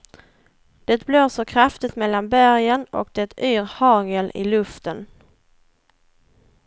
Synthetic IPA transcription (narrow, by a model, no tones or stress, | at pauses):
d̪̥ɛt̪̚bloːsɔkʰɾaft̪ɪt̪mɛlːanbæɾjənɔ̰k̚d̪ɛt̪ʰyːɾhɑːŋəlɪ̰lɵft̪ən